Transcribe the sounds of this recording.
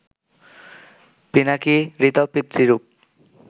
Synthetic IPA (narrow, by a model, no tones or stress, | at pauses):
pinakiɾit̪ɔpit̪ɾiɾup̚